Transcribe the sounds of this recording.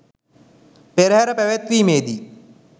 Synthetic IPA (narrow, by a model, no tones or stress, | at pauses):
peɾəɦæɾəpæʋæt̪ʋiːmeːd̪i